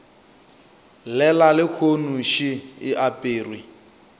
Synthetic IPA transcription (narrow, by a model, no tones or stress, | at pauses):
lɛlalɪk͡xʰonuʃiːʔapʼeːrwi